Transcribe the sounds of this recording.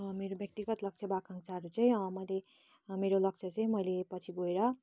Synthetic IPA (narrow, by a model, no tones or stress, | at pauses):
meɾobjʌk̚t̪iɡʌt̪lʌk̚t͡sʰʌbakʰaŋt͡sʰaɾut͡sʌĩʌmʌjle | meɾolʌk̚t͡sʰʌt͡sʌĩmʌjlepʌt͡sʰiɡoeɾʌ